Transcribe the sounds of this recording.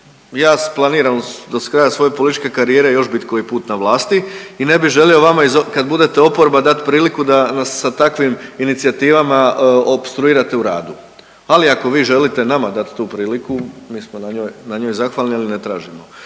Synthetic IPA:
jaːsplˠaniːɾand̪oskɾaːjasʋo̞jepolit̪it͡ʃke̞kaɾije̞ːɾe̞jo̞ʃbit̪koipuːt̪naʋlˠaːst̪iine̞biʒe̞lio̞ʋamaizokad̪bud̪e̞t̪eo̞po̞ɾbad̪at̪pɾiːlikud̪anasːat̪akʋiminit̪siat̪iːʋamaopst̪ɾuiːɾat̪e̞uɾa̰ːd̪u | aliako̞ʋiːʒe̞lit̪e̞namad̪at̪t̪uːpɾiːlikumiːsmonaɲoːjnaɲo̞ːjzaxʋaːlnialine̞t̪ɾa̰ːʒimo

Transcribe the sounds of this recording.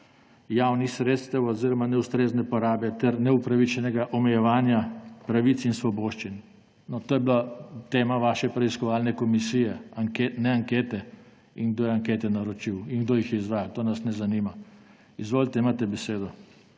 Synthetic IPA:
jaːwnixsɾeːt̪st̪ɛwɔziɾɔmanɛust̪ɾeːznɛpɔɾaːbɛt̪ɛɾnɛupɾaʋit͡ʃɛnɛɡaʔɔmɛjɛʋaːnjapɾaʋit̪sinsʋɔboːʃt͡ʃin | nɔt̪oːjɛblat̪eːmaʋaːʃɛpɾɛiskɔʋaːlnɛkɔmisijɛaŋkenɛaŋkeːt̪ɛ | iŋɡd̪oːjɛaŋket̪ɛnaɾɔt͡ʃiwiŋɡd̪oːjixjɛizʋaːjalt̪oːnasnɛzanima | izʋoːlt̪ɛimaːt̪ɛbɛseːd̪ɔ

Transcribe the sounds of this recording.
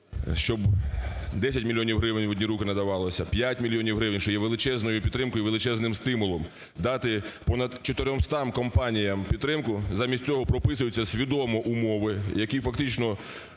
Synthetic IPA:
ʃt͡ʃɔb | d̪ɛsʲɐtʲmʲilʲːjɔnʲiwɦɾɪʋɪnʲɔdʲnʲiɾukɪnɐd̪ɐʋɑlˠɔsʲɐpʲjatʲmʲilʲjɔnʲiwɦɾɪʋɪnʲʃt͡ʃɔjɛʋelˠɪt͡ʃɛznɔjʊpʲid̪t̪ɾɪmkɔjʊʋelˠɪt͡ʃɛznɪmst̪ɪmʊlˠɔm | d̪ɑt̪ɪpɔnɐd̪t͡ʃɔt̪eɾʲɔmst̪ɑmkɔmpɑnʲijɐmpʲid̪t̪ːɾɪmkʊzɑmʲisʲt̚ʲt͡sʲɔɦɔpɾɔpɪsʊjʊt͡sʲːɐsʲʋʲid̪ɔmɔʔumɔʋɪjɐkʲifɐk̚t̪ɪt͡ʃnɔ

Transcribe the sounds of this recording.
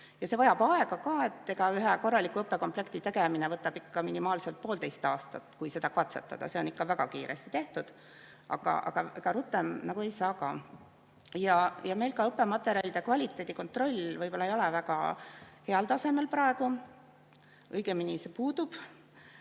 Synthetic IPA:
jɑse̞vɑjɑb̥ɑe̞ɡ̥ɑkɑːe̞t̪ːe̞ɡ̥ɑyɦɛko̞rːɑlikːˑuɤpːˑe̞ko̞mple̞kt̪it̪e̞ɡeminevɤt̪ːˑɑb̥ikːɑminimɑːlse̞lt̪̚po̞ːlt̪e̞jst̪ɑːst̪ɑt̪ːˑkujse̞d̪̥ɑkɑt̪se̞t̪ːˑɑ̰d̪̥ɑ̰se̞o̞nikːɑvæɡ̥ɑkiːɾʔḛst̪i̥t̪e̞ht̪ud̪̥ | ʔɑ̰ɡ̥ɑ̰ʔɑ̰ɡ̥ɑeɡ̥ɑɾut̪ːˑe̞mnɑɡue̞jsɑːkɑː | jɑjɑme̞jlkɑɤpːˑe̞mɑt̪ːˑe̞ɾiɑlʲid̪̥ekvɑlʲit̪ːˑe̞ːd̪̥ʲiko̞nt̪ˑro̞lʲːvɤjb̥o̞lːɑejo̞levæɡ̥ɑ̰he̞ɑlt̪ɑse̞me̞lprɑe̞ɡ̥u | ɤjɡ̥eminisepuːd̪̥ub̥

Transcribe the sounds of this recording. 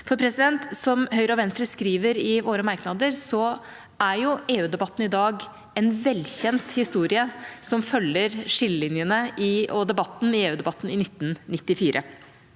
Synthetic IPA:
fɔɾpʰɾɛsɪd̪ɛnt̪sɔmhœʏɾɔʋɛnst̪ɾəskɾiːʋəɾɪʋoːɾəmɑɾknɑd̪əɾsɔ | æɾjʊeːʉːd̪ɛbɑt̪ːn̩ɪd̪ɑːɡ | ɛnʋɛlːçɛnt̪hɪst̪uːɾɪəsɔmfœlːəɾʂɪləlɪnjənəʔɪɔd̪ɛbɑt̪ːn̩ɪeːʉːd̪ɛbɑt̪ːn̩ɪnɪt̪ːnnːɪt̪ːɪfiːɾʔə̰

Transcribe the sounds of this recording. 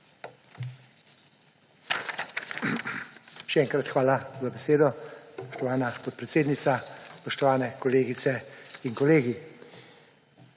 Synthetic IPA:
ʃɛɛːŋkɾat̪xʋaːlazabɛseːd̪ɔspɔʃt̪ɔʋaːnapɔt̪̚pɾɛt̪seːd̪nit̪saspɔʃt̪ɔʋaːnɛkɔleːɡit̪sɛinkɔleːɡi

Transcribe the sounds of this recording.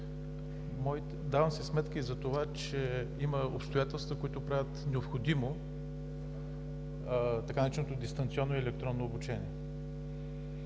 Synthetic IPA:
mɔit̪ | d̪avəmsɛsmɛt̪kəizɐt̪ovat͡ʃɛ | iməo̰pst̪ojat̪ɛlˠst̪vəkoit̪ʊpɾavʲət̪nɛopxod̪imo | t̪ɐkanɐɾit͡ʃnot̪od̪ist̪ɐnt̪siɔnːoiɛlɛk̚t̪ɾɔnːoobut͡ʃɛnʲiɛ

